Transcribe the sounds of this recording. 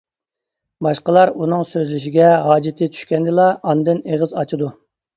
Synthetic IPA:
bɑʃqəlˠɑɾunɨŋsøzlɪʃiɡʲɛɦɑːd͡ʒɪt̪ʰɪt͡ʃ̪ʰy̥ʃkʲɛnd̪ɨlˠɑʔɑnd̪ɨneʁəzɑt͡ʃʰid̪u

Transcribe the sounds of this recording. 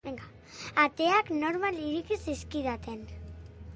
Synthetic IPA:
eŋɡa | at̪eaknoɾmaliɾikisiskiðat̪en

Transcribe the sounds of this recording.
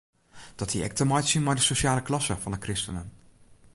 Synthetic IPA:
d̥ɑtdiɛ̰k̚təmɑjtsinmaːɹdəsoʃaːləklɑsəvɑndəkrɪstənən

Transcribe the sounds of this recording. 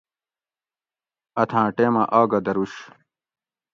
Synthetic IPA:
ɐt̪ʰãːʈeːmɐʔaːɡɐd̪ɐɾuɕ

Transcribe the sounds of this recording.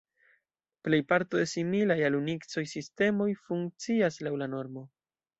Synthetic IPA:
ple̞jpaɾto̞d̪e̞similajalunikt͡so̞jsiste̞mo̞jfuŋk̚t͡siaslawlano̞ɾmo̞

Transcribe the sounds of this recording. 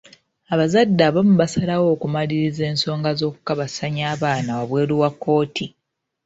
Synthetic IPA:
aβazadːaːβamuβasalawo̞ːkumaliɾize̞ːnso̞ːŋɡazo̞ːku̥kaβasaɲaːβaːnawaβwe̞ːɾuβwakːo̞ːtʰi

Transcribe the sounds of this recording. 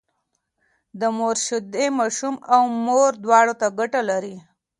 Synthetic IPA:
d̪əmoɾʃʊd̪emɑʃumawmoɾd̪wɑɽot̪aɡaʈalaɾi

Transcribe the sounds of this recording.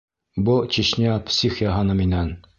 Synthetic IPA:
but͡ɕiɕnʲiɑpsʲixʲjɑɦɑnɤminæn

